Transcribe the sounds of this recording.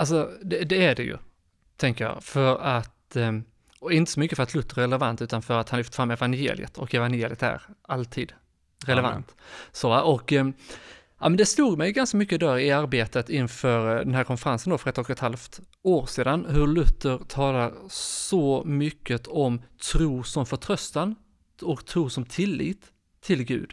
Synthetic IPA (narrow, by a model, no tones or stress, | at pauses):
als̬ɔd̪ɛd̪ɛæɖɛjɵ̰ | t̪ʰɛŋkəjɑ̰ːfœɾat̪ | ɔɪnt̪əsɔmʏkːəfœɾat̪ʰlɵt̪ːəɾæɾɛlɛvant̪ʉ̟ːt̪anfœɾat̪hanlɪft̪ə̥fɾamːɛvanjḛːlɪ̰ə̰t̪ʰɔkɛvanjeːlɪət̪æ̰ɾalt̪ʰiːd̪ | ɾɛlɛva̰nt̪sovaʔɔkː | ʔa̰mɛnd̪ɛsluːɡmɛjɡanskamʏkːəd̪æːɾɪaɾbeːt̪ət̪ɪnfœːɾd̪ɛnɦæːɾkʰɔnfəɾansənd̪ɔfœɾɛt̪ːɔkɛt̪halft̪ | oːɾseːd̪anɦɵɭɵt̪ːəɾt̪ʰɑːlaɾsɔmʏkːət̪ɔmt̪ʰɾuːsɔmfœʈʰɾœst̪an | ɔkt̪ʰɾuːsɔmt̪ʰɪlːḭːt̪ʰː | ɪlɡʉ̟̰ːd̪